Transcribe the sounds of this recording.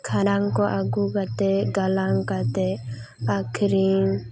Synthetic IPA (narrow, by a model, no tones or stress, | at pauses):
kʰaɾãŋkɔʔaɡuɡat̪eɡalaŋkat̪e | akʰɾiŋ